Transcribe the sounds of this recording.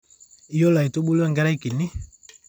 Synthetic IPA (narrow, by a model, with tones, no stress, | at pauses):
i˨˦jɔ˦la˨i˨to˦ɓu˦lu˦a˦ŋɡa˦ɾa˦i˦ki˨ni˦